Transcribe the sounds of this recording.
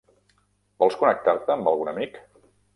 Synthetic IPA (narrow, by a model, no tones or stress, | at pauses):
bɔlˠskunək̚t̪aɾt̪əːmbəlˠɣunəmik